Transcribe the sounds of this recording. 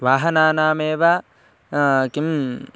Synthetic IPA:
ʋaːɦɐnaːnaːmeːʋa | kim

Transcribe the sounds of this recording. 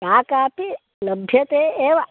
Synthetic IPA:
aːkaːpi | ləbʱjɐt̪eːeːʋ

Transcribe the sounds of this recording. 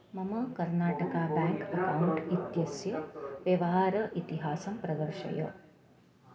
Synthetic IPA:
mɐmɐkɐɾnaːʈɐkaːbæːŋkɐkawuɳʈit̪jɐsjɐʋjɐʋɐɦaːɾɐʔit̪iɦaːsɐmpɾɐd̪ɐɾʃɐ̰jɐ̰

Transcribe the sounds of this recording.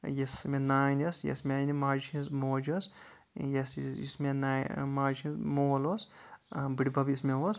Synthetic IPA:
jesmenaːjnʲɐsjḛsmʲanimaːd͡ʒt͡ʃʰizmoːd͡ʒɐs | jesjismenamaːd͡ʒt͡ʃʰĩnzmoːlosbɨɽibɐbjismʲeɦos

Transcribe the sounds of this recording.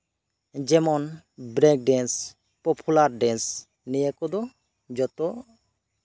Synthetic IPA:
d͡ʒɛmɔn | bɾɛk̚ɖɛns | pɔpʰulaɾɖɛns | nijekɔd̪ɔ | d͡ʒɔtɔ

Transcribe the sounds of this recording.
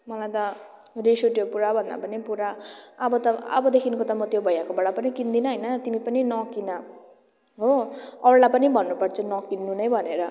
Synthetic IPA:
mʌlajt̪ʌrisoʈjopuɾabʱʌnd̪a̰pʌnipuɾaʌbʌt̪ʌʌ̰bʌd̪ekʰinkot̪ʌmʌt̪jobʱʌjakobʌɽapʌnikind̪inʌɦʌjnʌt̪imipʌninʌkinʌ | ɦoʌɽlapʌnibʱʌnːupʌrt͡sʰʌnʌkinːunʌjbʱʌneɾʌ

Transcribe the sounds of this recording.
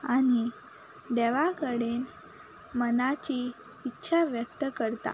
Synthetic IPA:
añi | d̪eʋakəɽen | mənat͡ɕiː | tːɕʰaʋjək̚t̪əkəɾt̪a̰

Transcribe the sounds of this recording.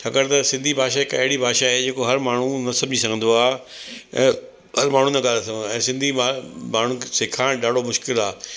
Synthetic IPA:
t͡ʃʰaːkəɾt̪ɐsɪ̃nd̪ʱibʱaːʃaekɐɦɪɽibʱaːʃaɦed͡ʑeːkoɦɐɾmaːɳ̤ũnɐsɐbʱd͡ʑisɐɡʱə̃nd̪oaː | ɛ̃ː | ɦɐɾmaːɳ̤ũnɐɠaːlesɐɡʱənɛ̃ːsɪ̃nd̪ʱimaːɳ̤ũsɪkʰaːɽ̃ɖaːɽomʊʃkɪlaː

